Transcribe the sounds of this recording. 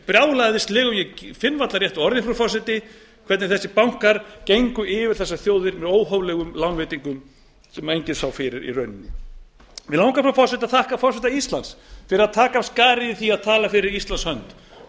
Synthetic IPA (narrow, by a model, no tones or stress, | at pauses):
pɾjaːwlaðɪst̪lɪːɣʏmjɛfɪnːvat̪laɾjɛht̪ɔɾðɪnfɾɔfɔs̬ɪt̪ɪ | kʰɛt̪nɪɾθɛsːɪpawŋ̥kaɾ̥cejŋkʏɪvɪɾ̥θɛsːaθjoːwðɪɾmɛðoːwɦɔwlɛɣʏmlawnvɪːt̪iŋkʏm | sɛmejɲcɪnsawfɪɾɪɾḭrœɥnɪnːɪ | mɛɪðlawŋkapfɾɔwfɔsɪt̪aθahkafɔsɪt̪aist̪lansfɪɾɪɾaðt̪ʰaːkaskaːɾɪiθiaðt̪ʰaːlafɪɾɪɾist̪lanshœnt̪